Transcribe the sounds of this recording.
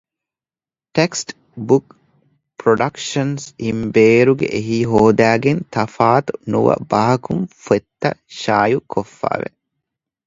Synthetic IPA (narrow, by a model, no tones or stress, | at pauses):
ʈeksʈ | buk | pɾoɖɐkʃɐnsimbeːɾuɡḛʔeɦiːɦoːd̪æːɡent̪ɐfaːt̪unuʋɐ̰bɐɦɐkumfet̪ːɐʃaːjukʰofːa̰ːʋḛ